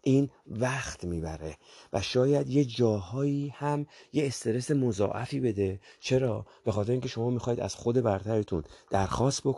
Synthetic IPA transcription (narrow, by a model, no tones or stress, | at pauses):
ʔiːn | væxt̪miːbæɾevæʃɒːjæd̪je̞d͡ʒɒːhɒːiːhæmje̞ːst̪e̞ɾe̞se̞mozɒ̰ːʔæfiːbe̞d̪e̞t͡ʃʰe̞ɾɒːb̥e̞xɒːt̪eɾeiŋkʲʰeʃo̞mɒːmixɒːiːd̪æ̰z̥xo̞d̪e̞bæɾt̪ʰæɾet̪ʰund̪̥æɾxɒːst̪̚bok